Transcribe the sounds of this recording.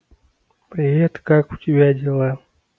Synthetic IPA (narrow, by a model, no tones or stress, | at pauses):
pɾʲɪvʲɛt̪kakʊtʲɪbʲadʲɛlˠa